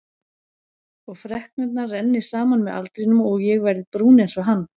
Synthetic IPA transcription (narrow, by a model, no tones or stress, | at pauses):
ɔɣfɾɛhknʏt̪̬̚narɛnːɪ̥saːmanmɛða̰lt̪ɾɪnʏmɔɣjɛɣvɛɾðɪpɾuːnejnsvɔɦanː